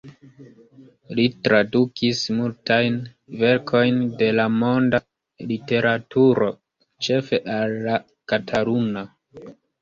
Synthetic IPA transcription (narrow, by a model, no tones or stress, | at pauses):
litɾadukʰismultajn | ve̞ɾkʰo̞jnde̞lamo̞nda | lite̞ɾʔatuɾo̞ | t͡ʃe̞fe̞ʔalːa | katʰaɾuna